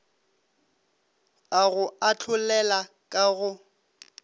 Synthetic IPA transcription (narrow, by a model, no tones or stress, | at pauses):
aɣʊat͡ɬʰʊlɛla | kʼaɣʊ